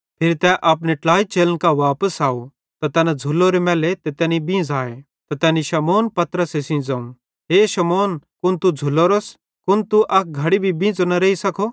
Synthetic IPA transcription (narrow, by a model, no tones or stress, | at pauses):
pʰɪɾt̪ɛʔɐːp̬neʈlaːit͡ʃeːlənkaʋaːpəsaːo | t̪at̪ɛːnad͡zʱʊlːoɾemɛːlet̪ɛt̪ɛ̃ːnibĩːd͡zaːe | t̪at̪ɛːniʃɐmoːnpɐt̪ɾəsesɪ̃ːd͡zaːũ | ɦeːʃɐmoːnkʊnt̪ud͡zʱʊlːoːɾos | kʊnt̪uʔɐk̚ʰɡʱɐɽibʱibĩːd͡zonɐɾeːisɐkʰo